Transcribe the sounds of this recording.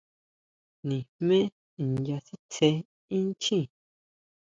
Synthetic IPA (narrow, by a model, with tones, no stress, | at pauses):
nĩ˨mmẽ˦˨ | ja˧si˦t͡sʰe˧˦ | ĩ˦t͡ʃĩ˦˨